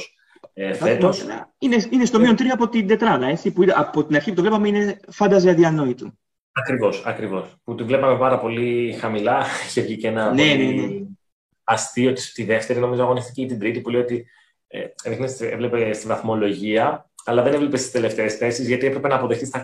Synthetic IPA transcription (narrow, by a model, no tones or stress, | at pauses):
s | efet̪osɐ̰ineinest̪o̞miont̪ɾioɐpo̞t̪ind̪e̞t̪ɾɐðɐe̞t͡sipuiɐpot̪inɐɾçiput̪ovlepɐmeine̞fɐnd̪ɐziɐðiɐno̞it̪u | ɐkɾivo̞sɐkɾivo̞sput̪ivlepɐme̞pɐɾɐpo̞lixɐmilɐçevʝicenɐnenee | ɐst̪iot̪it̪iðe̞ft̪e̞ɾino̞mizoɐɣo̞niθt̪iceit̪ind̪ɾit̪ipulejo̞t̪i | ḛeɾixnesevlepest̪ivɐθmo̞lo̞ʝiɐɐlɐðenevle̞pest̪i̥st̪ele̞ft̪eːsθe̞sizʝɐt̪ie̞pɾe̞pe̞nɐːpo̞ðext̪ist̪ɐ